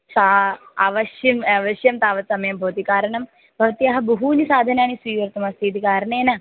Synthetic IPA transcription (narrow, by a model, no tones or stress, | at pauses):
t̪aaʋɐʃjimɐʋɐʃjɐmt̪aːʋɐt̪sɐmɐjɐmbʱɐːt̪ikaːɾɐɳɐm | bʱɐʋɐt̪ijɐɦɐbɐɦuːnisaːd̪ʱɐnjaːñisʋiːʋɐɾt̪ɐmɐst̪ʰiːt̪ikaːɾɐɳeːnɐ